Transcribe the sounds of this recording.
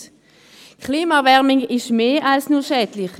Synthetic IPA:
kʰliːmavɛʁmɪŋɪʃmeːʔalsnuːɐʃɛːdlɪχ

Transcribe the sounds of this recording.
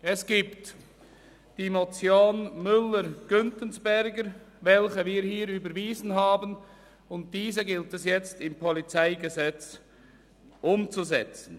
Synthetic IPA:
ɛsɡ̥iːpt | d̥iːmot͡sjoːnmʏlːəɾɡ̥ʏntənsb̥ɛɾɡəɾ | vɛlçəviːɾhiːɾyːbəɾviːzən̩ɦaːbən | ʊnt̚d̥iːzəɡɪltɛsjɛt͡stɪmpʰɔlit͡saɪɡəzɛt͡s | ʔʊmt͡suzɛt͡sn̩

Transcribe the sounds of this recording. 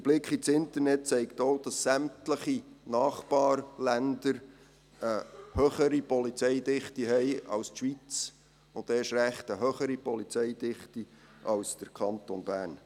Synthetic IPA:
dəb̥lɪkχit͡sɪnt̪əɾnɛt̚t͡sɛɪktoːd̥ɑsːæmtləχinɑːχb̥ɑːrlændəɾ | əhøχəɾipɔlit͡sɛjd̪ɪχtiɦɛɪɑ̰wstʃʋit͡s | ʊndɛːʃɾæχtəɦøχəɾipɔlit͡sɛɪdɪχti | ʔɑlsd̥əɾkʰɑnt̪onbæːrn

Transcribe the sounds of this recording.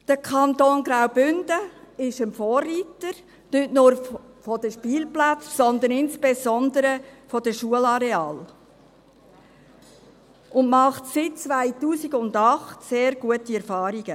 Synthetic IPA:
d̥əkʰɑnt̪oːnɡɾawbʏnd̥əɪʃɪmfoːrːiːtəɾ | nʏtnʊɾ | fɔd̪əʃpiːlplat͡ssɔnd̪ənɪnspezɔnd̪əɾəfɔd̥əʃuəlɑɾɛɑːl | ʊnmɑχtsɪt̚t͡svaɪtuːsiɡʊnd̪ɑχtseːɾɡ̥uətiɛɾfɑːɾiɡ̥ə

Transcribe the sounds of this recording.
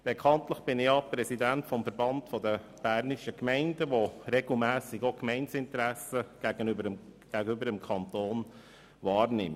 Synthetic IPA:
b̥ekʰɑntləχb̥ɪnɪɑpɾɛsidæntfɔmfəɾbɑntfɔd̪ə | b̥æːrniʃəkmɛɪndəʋoɾɛɡl̩mæːsɪɡokmɛɪnsɪntəɾæsəɡ̥æɡ̥ənbəɡ̥æɡəybəɾəmkʰɑnt̪oːn | vɑːɾnɪm

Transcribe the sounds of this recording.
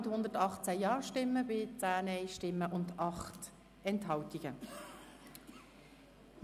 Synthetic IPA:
ɪthʊnd̪əɾtɑχt͡sæjɑːʃtɪmːəbɪt͡sæːnɛɪʃtɪmːəʔʊnd̪ɑχt | ɛntɦɑwtiɡ̥ə

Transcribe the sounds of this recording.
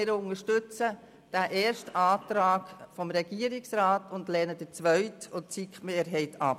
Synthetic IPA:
ɪɾʊŋəʃtʏt͡sə | d̥æʔɛːɾʃtaːtɾaːɡ̥fɔmɾɛɡ̥iəɾɪksɾaːtʊndlɛːnəd̥ət͡sʋœɥtʊt͡sikmeːɾɦɛɪtʰɑp

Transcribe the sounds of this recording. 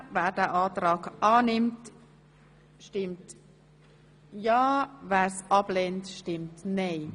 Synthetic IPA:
væːɾd̥ɛʔɑːtɾɑːɡʔɑːnɪmt | ʃtɪmt | jɑːvæːɾsʔɑb̥lɛntʃtɪmtnɛɪ

